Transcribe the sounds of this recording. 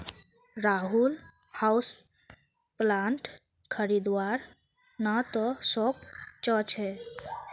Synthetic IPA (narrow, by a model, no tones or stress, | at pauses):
ɾaɦul | haus | plãɳʈ | kʰəɾid̪waɾ | nat̪ɔsokt͡ʃɔt͡ʃʰɛ